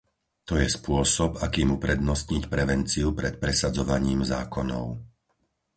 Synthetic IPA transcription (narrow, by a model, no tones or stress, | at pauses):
t̪ɔjɛspʊɔsɔbakiːmupɾɛd̪nɔsɲicpɾɛʋɛnt͡siupɾɛt̪̚pɾɛsad͡zɔʋaɲiːmzaːkɔnɔ̰ʊ